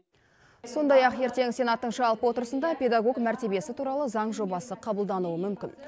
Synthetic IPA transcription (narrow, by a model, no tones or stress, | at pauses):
so̞nd̪ɑjɑqe̞ɾt̪e̞ŋsʲe̞nɑt̪ːəɴʃɑlˠəpwo̞t̪əɾəsənd̪ɑpʲe̞d̪ɑɡo̞ɡmæɾt̪e̞be̞sɪt̪ʰuɾɑlˠəzɑɴʒo̞bɑsəqʰɑbəlˠd̪ɑnuəmʏmkʲɪn